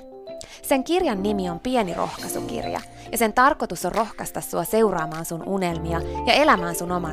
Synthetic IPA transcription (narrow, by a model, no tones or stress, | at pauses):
se̞ŋkirjɑnːimio̞mpie̞niro̞̰hkɑsṵk̟ḭrjɑ̰ | jɑse̞nt̪ɑrkot̪uso̞rrʔo̞xkɑst̪ɑsːuɑse̞uwɾɑːmɑːnsunune̞lmiɑjɑe̞læmæːnsuno̞mɑ